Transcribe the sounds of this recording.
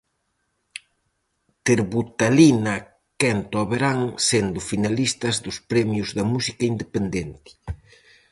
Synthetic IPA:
t̪eɾβut̪alina | kɛnt̪ɔβeɾaŋsend̪ʊfinalist̪ɐzðʊspɾɛmjʊzðɐmusi̥kɐind̪epend̪ent̪ɪ̥

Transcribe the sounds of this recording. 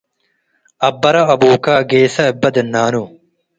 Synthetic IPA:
ɐbːɐɾɐɐbuːkaːɡeːsɐebːɐd̪ɐnːaːnu

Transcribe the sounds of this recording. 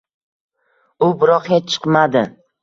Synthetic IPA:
ʊbɪɾɒqhet͡ʃt͡ʃʰɨ̥qmad̪ɪ

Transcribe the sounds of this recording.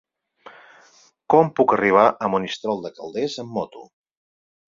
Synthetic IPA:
kɔmpukəriβ̞aʔəmunist̪ɾɔlˠd̪əkəlˠd̪ezəmːɔt̪ṵ

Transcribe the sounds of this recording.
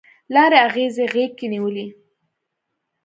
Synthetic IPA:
lɑɾeaɣezeɣek̚kːeniwəli

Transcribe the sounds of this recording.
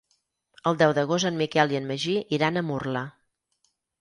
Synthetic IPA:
əlˠd̪ɛwðəɣost̪ənmikɛlˠiənməʒiʔiɾanəmurlə

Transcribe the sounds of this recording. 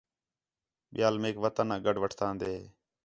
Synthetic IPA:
ɓɪjaːlmẽːkʋət̪ənãːɡəɖʋəʈʰt̪ãːnd̪eː

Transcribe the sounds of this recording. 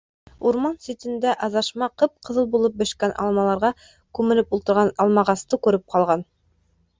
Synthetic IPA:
uɾmɑnsit̪ɘ̆nd̪æʔɑðɑʃmɑqɤp̚qɤ̆ðɤlˠbulˠɤp̚bɘ̆ʃkænʔɑ̰lˠmɑlˠɑɾʁɑ | kʉmɘ̆lɘpulˠt̪ɤ̆ɾʁɑnɑlˠmɑʁɑst̪ɤkʉɾɘp̚qʰɑlˠʁɑn

